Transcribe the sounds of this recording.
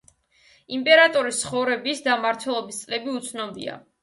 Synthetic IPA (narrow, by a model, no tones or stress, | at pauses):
impʼɛɾat̪ʼɔɾist̪sʰχɔvɾɛbisd̪amaɾt̪ʰwɛlˠɔbist̪sʼlɛbiut̪sʰnɔbḭa̰